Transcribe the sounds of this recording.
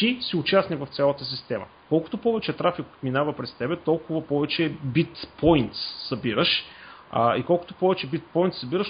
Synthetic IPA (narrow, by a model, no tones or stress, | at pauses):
isiʊt͡ʃasnivɐft̪sʲalˠət̪əsist̪ɛmə̰kɔlˠkʊ̥t̪opɔvɛt͡ʃɛt̪ɾafikot̪minavɐpɾɛst̪ɛbɛt̪ɔlˠkʊvɐpɔvɛt͡ʃɛbit̪pɔjnt̪ssɐbiɾəʃ | ikɔlˠkʊ̥t̪o̥pɔvɛt͡ʃɛbit̪̚pɔjnt̪sɐbiɾəʃ